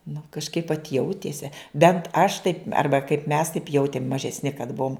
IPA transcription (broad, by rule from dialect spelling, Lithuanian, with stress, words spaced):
nʊ kɐʃˈkɐɪp ʋɐt ˈjɛʊtʲeːsʲɛ ˈbʲɛnt ɐʃ ˈtɐɪp ˈɐrbɐ kɐɪp mʲɛs tɐɪp ˈjɛʊtʲeːm mɐʒʲɛsʲˈnʲɪ kɐt ˈbuɔm